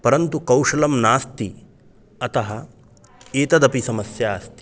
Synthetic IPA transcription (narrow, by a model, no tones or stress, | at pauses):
pɐɾɐnt̪ukɐwʂɐlɐmnaːst̪i | ɐt̪ɐɦɐ | eːt̪ɐd̪ɐpisɐmɐsjaːst̪i̥